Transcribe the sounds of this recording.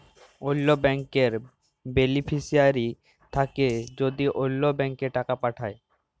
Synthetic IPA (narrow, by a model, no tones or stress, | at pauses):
ojlːobɛŋkeɾ | benipʰisiaɾi | t̪ʰaked͡ʑod̪iʔojlːobɛŋkeʈakapaʈʰae